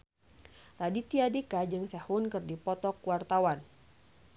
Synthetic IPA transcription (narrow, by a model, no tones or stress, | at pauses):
radit̪iadikad͡ʒɨŋsɛhunkɨrdipɔt̪ɔkwart̪awan